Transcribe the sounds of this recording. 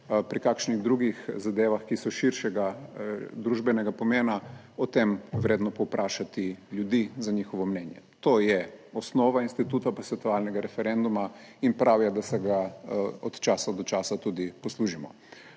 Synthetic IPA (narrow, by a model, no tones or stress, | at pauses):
pɾikakʃniɣd̪ɾuɡixzad̪eːʋaxkisɔʃiɾʃɛɡa | d̪ɾuːʒbɛnɛɡapɔmeːna | ɔt̪emʋɾeːd̪nɔpɔwpɾʔaːʃat̪iljud̪izaɲixɔʋɔmnɛnjɛ̰t̪oːjɛɔsnɔːʋainst̪it̪uːt̪apasʋɛt̪ɔʋalnɛɡaɾɛfɛɾɛnd̪umainpɾʔaːwjɛd̪asɛɡaɔt̪t͡ʃaːsad̪ɔt͡ʃaːsat̪uːd̪ipɔsluːʒimɔ̰